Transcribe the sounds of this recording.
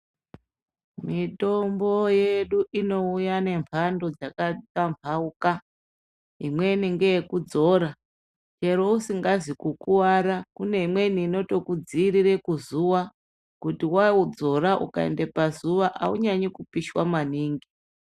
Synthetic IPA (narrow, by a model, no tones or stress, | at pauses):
mito̞mbo̞je̞ɗuʔino̞ujane̞mpʰando̞d͡zakatampʰauka | ɦimwe̞niŋɡe̞jekud͡zo̞ɾa | t͡ʃe̞ɾo̞usiŋɡazikukuwaɾakune̞imwe̞niːno̞to̞kud͡ziːɾiɾe̞kuzuʋa | kutiwaud͡zo̞ɾaʔṵkaḛndepazuʋaʔauɲaɲikupiʃwamaniːŋɡi